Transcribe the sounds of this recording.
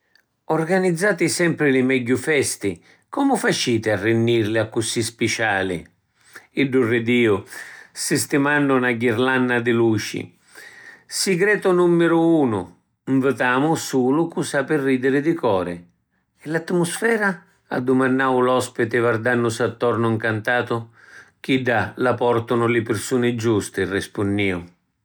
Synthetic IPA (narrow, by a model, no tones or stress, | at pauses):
ɔrɡanid̪zːaːt̪ɪsɛmpɾɪlɪmɛɟːʊfɛst̪ɪ | kɔmʊfat͡ʃiːt̪ɪarːɪnːiɾlɪakːʊsispɪt͡ʃaːlɪ̰ | ɪɖːurːɪd̪iːʊsɪst̪ɪmanːʊnaɡiɾlanːad̪ɪluːt͡ʃḭ | sɪɡɾɛːt̪ʊnumːɪɾʊuːnʊ̰ | ɱvət̪aːmʊsuːlʊkusapɪrːiːd̪ɪɾɪd̪ɪkɔːɾɪ | ɪlat̪ːmʊsfɛːɾa | a̰d̪ːʊmanːaːwʊlɔspɪt̪ɪvard̪anːʊsat̪ːɔrnʊɪŋkant̪aːt̪ʊ | k̟iɖːalapɔrt̪ʊnʊlɪpɪɾsuːnɪd͡ʒust̪ɪrɪspʊnːiːʊ